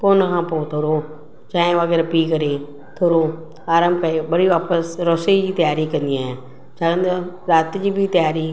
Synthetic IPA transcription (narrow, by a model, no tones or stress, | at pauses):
koːnkʰãːpot̪ʰoːɾo | t͡ʃãːẽʋaːɡɛːɾpiːkɐɾe | t̪ʰoːɾo | aːɾãːmbkɐɾeɓəɽiʋaːpəsɾɔːsed͡ʑiːt̪ɐjaːɾikɐ̃nd̪ijãːɦẽ | t͡ʃʰaːkə̃nd̪oɾaːt̪d͡ʑiːbʱit̪ɐjaːɾi